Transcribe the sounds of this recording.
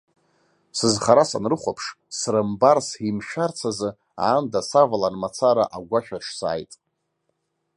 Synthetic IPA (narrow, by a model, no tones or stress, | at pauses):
sɨzχaɾasa̰nrɨχʷapʰʂ | srɨmbarsimʃᶣart͡sʰazɨ | a̰ːndasavalanmat͡sʰaɾaʔaɡʷaχʲᶣaʈ͡ʂʰsa̰ːjtʼ